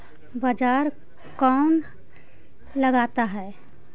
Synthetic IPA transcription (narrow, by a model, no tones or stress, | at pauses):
bad͡ʒaɾ | kan | ləɡat̪aɦɛ